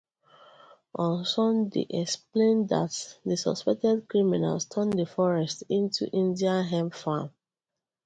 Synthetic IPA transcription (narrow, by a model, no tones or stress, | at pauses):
ʔɔ̃nsɔ̃ndḛʔɛksplẽndatðəsɔ̰spɛk̚tɛdkɹimina̰lstʰə̃ndəfɔɹɛstĩntṵʔĩndiãnɦɛ̃mfãm